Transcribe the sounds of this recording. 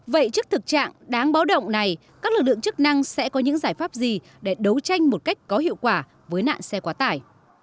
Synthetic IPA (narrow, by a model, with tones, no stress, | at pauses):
və̰˧˨jt͡ɕɨ˦˥ək̚t̪ʰɨ˨˩k̚t͡ɕa̰ː˧˨ŋɗaː˨˦ŋɓaː˨˦wɗə̰˧˨wŋ͡mna˨˩j | kaː˦˥k̚lɨ˨˩k̚lɨ˧˨ŋt͡ɕɨ˦˥k̚na˧ŋsɛ̰˧˥kɔ˨˦ɲɨ̰˧˥ŋzaː˧˩jfaː˦˥p̚zi˨˩ | ɗe˧˩ɗə˨˦wt͡ɕa˧jŋ̟mo˨˩t̚ka˦˥jk̟̚kɔ˨˦ɦḭ˧əwkwaː˧˩ | vəː˨˦jna̰ː˧˨nsɛ˧kwaː˨˦t̪aː˧˩j